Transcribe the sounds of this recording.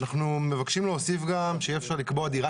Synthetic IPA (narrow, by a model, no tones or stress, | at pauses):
naχnume̞vakʃimleosifɡamʃeiefʃaʁlikboad̪iʁa